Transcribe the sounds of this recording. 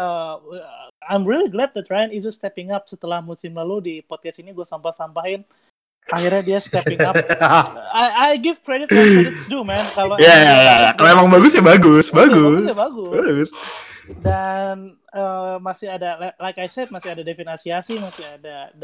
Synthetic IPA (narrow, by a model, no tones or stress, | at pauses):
ə | ajmriliɡlɛd̪̚d̪ɛt̪̚ɹajnizust̪ɛpɪŋap̚sət̪əlahmusɪmlaludipɔd̚kɛst̪iniɡuasampahsampaɦɪn | ahirɲadiast̪ɛpɪŋap | ajajɡɪvkɾedɪt̪eɪsdumɛnkalojajajajakaloemaŋbaɡʊsɲabaɡʊsbaɡʊasjabaɡʊaɡʊs | dan | əmasɪhadalalajkajsɛd̚masɪadadefinasiasimasɪadad